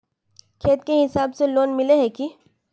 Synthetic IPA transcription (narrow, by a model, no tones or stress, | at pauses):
kʰeːt̪̚keɦɪsaːbseloːnmɪleɦɛki